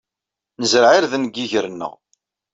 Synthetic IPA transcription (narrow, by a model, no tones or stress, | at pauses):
nəzɾʕɪɾðnɡːiʝəɾənːə̰ʁ